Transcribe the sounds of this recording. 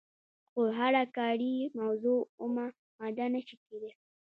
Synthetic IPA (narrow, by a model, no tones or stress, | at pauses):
xoɦaɾakaɽimawzuʊma | mad̪anaʃikeɾe